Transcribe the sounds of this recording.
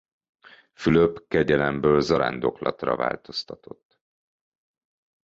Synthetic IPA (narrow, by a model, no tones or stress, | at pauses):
fyløpkɛɟɛlɛmbøːlzɒɾa̰ːnd̪o̞klɒt̪rɒ̰va̰ːlt̪o̞st̪ɒt̪o̞t̪ː